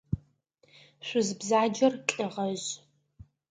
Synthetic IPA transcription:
ɕʷʊzbzaːd͡ʒɐrkʼɪʁɐʑ

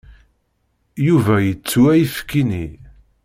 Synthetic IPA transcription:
juvæjət͡sːuæjifkːini

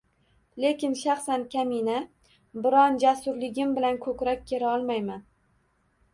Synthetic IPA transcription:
le̞kʲɪnʃaχsankʲʰamina | bɪɾɒnd͡ʒasʊɾlɪɡʲɪmbɪlankʰɵkʲɾɒkʲkʲːʰe̞ɾaɒlˠmajman

